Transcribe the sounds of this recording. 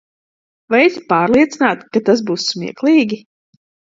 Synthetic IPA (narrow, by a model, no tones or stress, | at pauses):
vajɛzʲipaːɾlˠiɛt̪sinaːt̪kat̪asbuːsːmḭɛklˠiːɡʲi